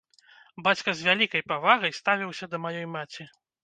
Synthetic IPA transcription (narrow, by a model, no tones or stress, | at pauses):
bat͡sʲkɐzʲvʲalʲikɐjpavaɣɐjst̪avʲiwsʲɐd̪ɐmajɔjmat͡sʲi